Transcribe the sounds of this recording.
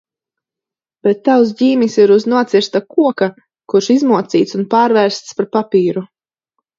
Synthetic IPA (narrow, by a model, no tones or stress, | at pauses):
b̥ɛt̪ːaws̬ɟiːmisiɾuznuɔt̪siɾst̪akuɔka | kuɾʃizmuɔt̪siːt̪sunpaːɾvɛɾst̪spaɾpapiːɾu